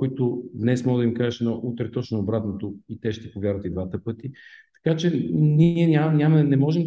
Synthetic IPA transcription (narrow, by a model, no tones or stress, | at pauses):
ʊit̪ʊd̪nɛsmɔd̪ɐvimkaʒɛʃnoʔut̪ɾɛt̪ɔt͡ʃnoːbɾat̪not̪oit̪ɛʃt̪ɛpovjaɾvət̪id̪vat̪əpɤt̪it̪ɐ̥kat͡ʃɛniiɛnʲanʲamɐnɛmɔʒɛmd̪